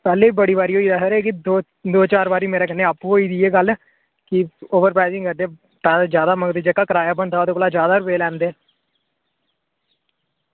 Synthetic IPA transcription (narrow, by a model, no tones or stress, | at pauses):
pɛːleːibəɽiːβaːɾiːɦoːiːd̪əːsɾeːkɪd̪o | d̪oːt͡ʃaːɾbaːɾiːmeːɾeːkənːeːapɦoːiːd̪iːeːɡəl | kɪoːʋəɾpɾaːzɪ̃ŋkəɾd̪eː | pɛːd̪ad͡ʒjaːd̪aːməŋɡd̪eːd͡ʒekːaːkəɾaːjaːbəɳt̪aːoːd̪eːkoːlaːd͡ʒjaːd̪aːɾʊpeːlɛ̃ːnd̪eː